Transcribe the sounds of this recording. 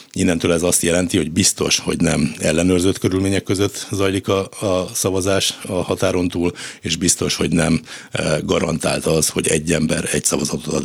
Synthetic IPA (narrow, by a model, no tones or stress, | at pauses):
inːɛnt̪øːlɛzɒst̪jɛlɛnt̪iho̞ɟbist̪o̞ʃho̰ɟnɛmɛlːɛnøːrzøt̪køɾylmeːɲɛkːøzøt̪ːzɒjlikɒsɒvɒzaːʃɒhɒt̪aːɾo̞nt̪uːleːʒbist̪o̞ʃho̞ɟnɛmɡɒɾɒnt̪a̰ːlt̪ɒzho̞ɟɛ̰ɟːɛmbɛɾɛcsɒvɒzɒt̪ot̪t̪ɒ̰